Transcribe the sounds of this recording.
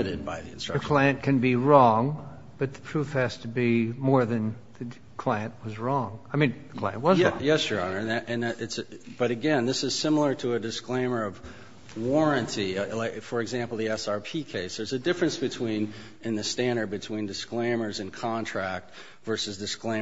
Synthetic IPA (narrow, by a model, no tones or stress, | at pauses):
ɨɾɨd̚baɪðḭɨ̰̃nstɹ̥ʌə˞kʰl̥aɪɨ̃nkʰɨ̃nbiɹɔ̃ŋ | b̥ʌt̪̚ðə̥tʰɹ̥ufhɨz̥tʰɨbimɔɹðɨ̃n | ðɨ | kʰl̥aɪɨ̃nʔwʌzɹɔ̃ŋaɪmĩnðkʰl̥aɪɨ̃nʔwʌz̰̃jɛsjə˞ɑnə˞nɨʔɨ̃nðɨɾʔɨtsb̥ʌɾɨɡɛ̃nðɪsɨz̥sɪ̃ml̩ˠə˞ɾəɨdɨsklẽɪ̃mə˞ʌv | wɔɹɨ̃ntʰilaɪfə˞ɨɡzæ̃mpl̩ˠðiɛsɑɹpʰikʰeɪsðə˞zɨdɪfɹɨ̃nsb̥ɨtʰw̥ĩn | ɨ̃nðɨstæ̃ndə˞d̚bɨtʰw̥ĩndɨsklẽɪ̃mə˞zɨ̃nkʰɑ̃ntʰɹ̥æk̚t | vɜ˞sɨzdɨsklẽɪ̃